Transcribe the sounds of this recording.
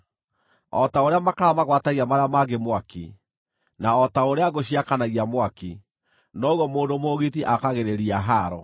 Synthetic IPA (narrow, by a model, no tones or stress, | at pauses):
ɔ̰taoɾeamakaɾamaɣwataɣiamaɾeamaɡemwaki | naɔtaoɾeaɣoɕiakanaɣiamwaki | nɔɣɔmoːndomoɣitiʔakaɣeɾeɾiaɦaɾɔ